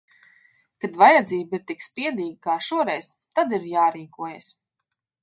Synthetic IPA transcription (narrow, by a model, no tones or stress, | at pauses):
kad̪vajad̪ziːbiɾt̪ikspiɛd̪iːɡəkaːʃuɔɾɛjz̥ | t̪ad̪iɾjaːɾiːkuɔjɛs